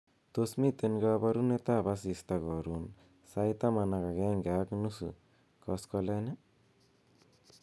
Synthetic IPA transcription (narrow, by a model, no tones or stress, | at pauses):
t̪osmit̪enɡabaɾunet̪abasist̪aɡɔɾun | sajt̪amanaɡaɡenɡaknusṵ | kɔskɔlana